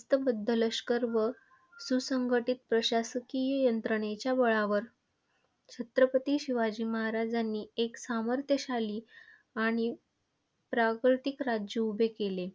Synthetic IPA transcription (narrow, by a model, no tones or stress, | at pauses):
st̪əbəd̪ʱːələɕkəɾʋə | susəŋɡʱəʈit̪̚pɾəɕasəkijəjənt̪ɾəɽ̃et͡ɕjabəɭaʋəɾ | t͡ɕʰət̪ɾəpət̪iɕiʋad͡ʑiːməɦaɾad͡zanːiːeksaməɾt̪ʰjəɕaliː | aɽ̃i | pɾakɾt̪ikɾad͡ʑjəubʱekele